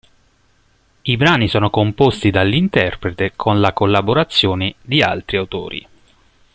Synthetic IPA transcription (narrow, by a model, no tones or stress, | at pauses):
ibɾaːnisɔːnokompost̪id̪alːint̪ɛrpɾet̪ekʰonlakolːaboɾat̪sːjoːned̪ia̰lt̪ɾiawt̪o̰ːɾḭ